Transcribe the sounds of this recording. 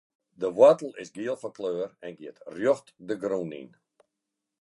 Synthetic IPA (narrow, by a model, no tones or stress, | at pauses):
dəʋwatəlˠɪsɡiəlˠfɔkløːərɛnɡiətrjɔxtdəɡrunḭn